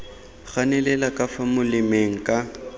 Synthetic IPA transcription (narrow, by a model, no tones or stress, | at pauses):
ɣanɛlɛlakʼafamʊlɪmeŋ̩kʼa